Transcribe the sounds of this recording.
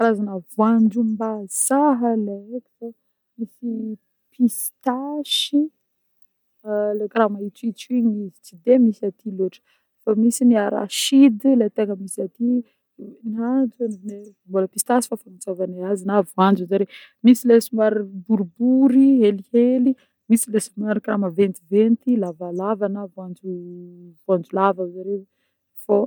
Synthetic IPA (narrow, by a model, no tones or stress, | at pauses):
aɾazanavwand͡ʒumbaz̥aɦəlaekʲi̥fa | misi | pʰis | t̪aʃi | lekɾamait͡suit͡ʃiɲizit͡sid̪emisiat̪ʰiloʈ͡ʂə̥ | famisiniaɾa̰ʃid̪lat̪eŋəmisiat̪i | nad͡zunevumboləpist̪asi̥fafamit͡savaneazinavuand͡ʒuzaɾe | misilesumaɾibuɾubuɾieliheli | misilesumaɾikɾaməvent̪ivent̪ilavalavanəvand͡ʒuvand͡zulavazaɾe | fo